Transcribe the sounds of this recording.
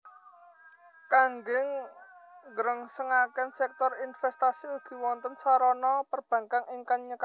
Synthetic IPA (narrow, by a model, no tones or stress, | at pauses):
kaŋɡɪŋ | ɡɾəŋsəŋakɛnsɛk̚t̪ɔrinfɛst̪asiuɡ̥i̤wɔnt̪ənsaɾɔnɔpərb̥ä̤ŋkaŋʔɪŋkanɲəka